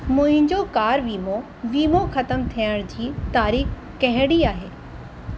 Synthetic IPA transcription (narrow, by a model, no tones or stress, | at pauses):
mʊ̃ɦɪ̃ɲd͡ʑokaːɾʋiːmo | ʋiːmoxɐt̪əmt̪ʰiəɽ̃d͡ʑiːt̪aːɾiːx | kɐɦɪɽiaːɦeː